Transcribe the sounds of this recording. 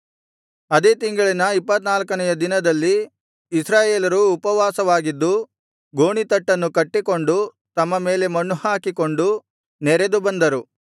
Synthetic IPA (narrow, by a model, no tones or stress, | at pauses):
ɐd̪eːt̪iŋɡɐɭinɐipːɐt̪naːlɐkɐnɐjɐd̪inɐd̪ɐlːiː | sɾaːjeːlɐɾuːpɐʋaːsɐʋaːɡid̪ːu | ɡoːɳit̪ɐʈːɐnːukɐʈːiko̞ɳɖu | t̪ɐmːɐmeːle̞mɐnːuhaːkiko̞ɳɖu | nɛɾed̪ubɐnd̪ɐɾu